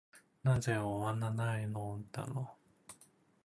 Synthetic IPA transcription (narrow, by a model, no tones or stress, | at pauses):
nazeoβananainot̪a̰no